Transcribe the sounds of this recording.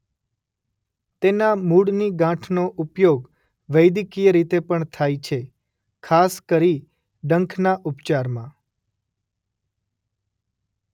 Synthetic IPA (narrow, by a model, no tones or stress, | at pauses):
t̪enamuɽniɡãʈʰnoʔupjoɡ | ʋəjd̪ikijəɾit̪epəɳt̪ʰajt͡ʃʰe | kʰaskəɾi | ɖəŋkʰnaʔʊpt͡ʃaɾmã